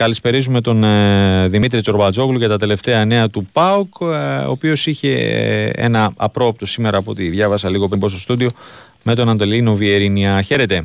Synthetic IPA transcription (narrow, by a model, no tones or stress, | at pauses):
kɐlispe̞ɾizume̞t̪o̞nðimit̪ɾit͡so̞ɾbɐd͡zo̞kluʝɐt̪ɐt̪e̞le̞ft̪e̞ɐne̞ɐt̪upɐoko̰pio̞siçe̞̰ḛnɐɐ̰pɾo̞p̚t̪o̞sime̞ɾɐːpoot̪iðʝɐvɐsɐliɣo̞pembo̞st̪o̞st̪ud̪io̞ | me̞t̪o̞nɐnt̪o̞lino̞vie̞ɾiniɐçe̞ɾe̞t̪e̞